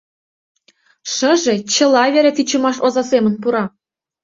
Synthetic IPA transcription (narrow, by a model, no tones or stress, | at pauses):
ʂɤ̆ʒet͡ɕɤ̆lˠɑvʲeɾʲet͡sit͡ɕŭmɑʃozɑsemə̆npuɾɑ